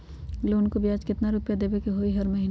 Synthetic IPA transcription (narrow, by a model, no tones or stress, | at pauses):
lonkobijaːd͡ʒkɪt̪naɾʊpjad̪eːbekeɦoːiɦɐɾmɐɦiː